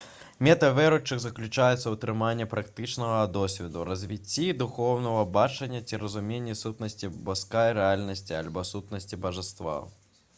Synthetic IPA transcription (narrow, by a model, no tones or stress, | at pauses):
mʲɛt̪ɐvɛɾut͡ʂːɨɣzɐklʲut͡ʂajɛt̪sːɐwt̪ɾɨmanʲːɐpɾʔɐkt̪ɨt͡ʂnɐɣɐd̪ɔsʲvʲɛd̪urɐzʲvʲit͡sʲːid̪uxɔwnɐvɐbat͡ʂɐnʲːɐt͡sʲiɾɐzumʲenʲːisut̪nɐsʲt͡sʲibɐskajɾɛalʲnɐsʲt͡sʲialʲbɔsut̪nɐsʲt͡sʲibɐʐɨst̪va̰